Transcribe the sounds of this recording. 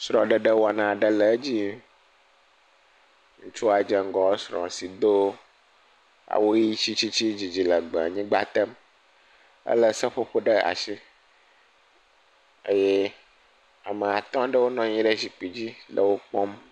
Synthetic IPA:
sɾɔ̃˨ɖə˨ɖə˦wa˨nã˨ɖə˦lə˨˦d͡ʑi˦ | ŋũ˦t͡ʃu˦a˨d͡ʒɛ˨ŋ̩˦ɡɔ̃˨˦sɾɔ̰̃˨si˨d̪o˦ | a̰˨wo˦ji˦t͡ɕi˦t͡ɕi˦t͡ɕi˦d͡ʑi˨d͡ʑi˨lə˨ɡ͡bɛ̰˨ɲĩ˦ɡ͡ba˦t̪ə˦m | ə̰˦lə˦sə˦ɸo˦ɸo˦ɖə˦a̰˨ʃi˦ | ə˦je˦ | a˨mə˨a˨t̪ɔ̃˦ɖə˦wo˦nɔ̃˦ɲĩ˦ɖə˦zi˨k͡pi˨d͡ʑi˦lə˨wo˦k͡pɔ˦m

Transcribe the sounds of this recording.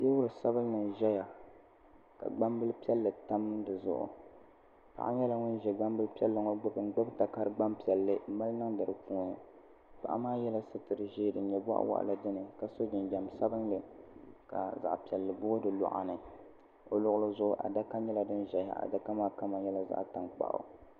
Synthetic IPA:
je˦wʊ˦ɾɨ˨sa˦bɨ˦n˦nɨ˨ʒɛ˦ja˨ | ka̰˨ɡ͡ba˦mbɨ˦lpi˦ɛ˦lːɨ˨ta˦mɨ˦dɨ˨zʊ̰˨ʔʊ̰˨ | pa̰˨ʔa̰˦ɲɛ˦la˦ŋʊ˦n˦ʒɛ˨ɡ͡ba˦mbɨ˦lpi˦ɛ˦lːɨ˦ŋo˦ɡ͡bɨ˦bɨ˨n˨˦ɡ͡bɨ˦bta˨ka˦ɾɨ˦ɡ͡ba˦mpi˨ɛ˨lːɨ˦ma˦lnɨ˦ŋdɨ˨ɾɨ˨pu˦nɨ˨ | pa̰˨ʔa̰˦maː˦jɛ˦la˦sɨ˦tɨ˨ɾɨ˨ʒeː˦dɨ˨ɲɛ˨ba̰˦ʔwa̰˦ʔa̰˨la˨dɨ˦nɨ˨ka˨so˦d͡ʒɪ˨nd͡ʒɛ˨msa˦bɨ˦ŋlɨ˨ka̰˨za̰˨ʔpi˨ɛ˨lːɨ˨bʊ˦ɡo˦dɨ˨lɔ̰˨ʔa̰˨nɨ˨ | o˨lʊ˦ʔʊ˦lɨ˦zʊ˦ʔʊ˦ʔa̰˨da˦ka˦ɲɛ˦la˨dɨ˦nʒɛ˨ja̰˨ʔa̰˨da˦ka˦maː˦ka˦ma˨ɲjɛ˦la˦za̰˦ʔta˨ŋk͡pa̰˨ʔa̰˨

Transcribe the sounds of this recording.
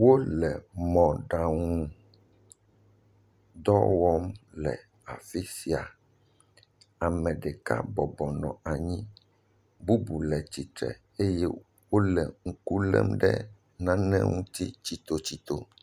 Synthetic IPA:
wo˦lɛ˨mɔ̃˨ɖa˨ŋũ˦ | d̪ɔ˦wɔ˦mlɛ̰˨ | a˨fi˦si˨a˨ | a˨mɛ̃˨ɖɛ˨ka̰˦bɔ˨bɔ˨nɔ̰̃˨a˨ɲĩ˦ | bu˦bu˨lɛ˨t͡ɕi˨t̪ɾɛ̰˨ | e˦jɛ˦ | wo˦lɛ˨ŋ̩˦ku˦lɛ̰˦mɖɛ̰˦ | nã˦nɛ̃˦ŋũ˦t̪i˦t͡ɕi˨t̪o˨t͡ɕi˨t̪o˦

